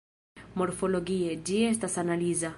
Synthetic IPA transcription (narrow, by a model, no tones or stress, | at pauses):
moɾfoloɡied͡ʒiest̪asanaliza